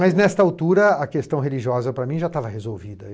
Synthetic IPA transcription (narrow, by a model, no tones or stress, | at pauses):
mɐznɛst̪ɐawt̪uɾɐɐkest̪ɐ̃w̃ɦeliʒiɔzɐpɾɐmĩʒat̪avɐhezowvid̪ɐ